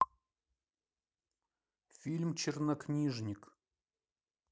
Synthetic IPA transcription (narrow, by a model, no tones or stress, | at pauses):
fʲilʲmt͡ɕɪrnɐknʲiʐnʲɪk